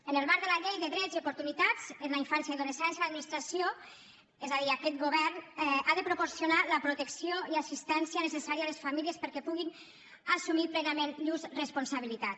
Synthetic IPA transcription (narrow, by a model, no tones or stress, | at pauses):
ənəlˠβaɾðəlaʎejðəɣɾɛziopoɾt̪unit̪at͡sənlaiɱfansjaðunesɛnzlad̪minist̪ɾasjo | ɛzaðiakɛt̪̚ɡoβɛɾnɛaðəpɾopoɾsjonaləpɾot̪eksioiasist̪ɛnsjanəsesaɾjalesfamiliəspəɾkɛpuɣ̞in | asumiplɛnamẽnʎuzrəsponsaβ̞ilit̪at̪